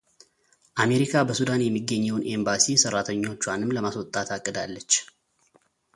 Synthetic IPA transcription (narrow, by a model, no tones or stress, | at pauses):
ʔame̞ɾikʰabəsud̪anjɛmːiɡːəɲːɛwnʔe̞mbasisərːat̪ʰəɲːo̞t͡ʃːwanɨmləmaswɔt̪ʼːat̪ʰakʼːɨd̪alːət͡ʃː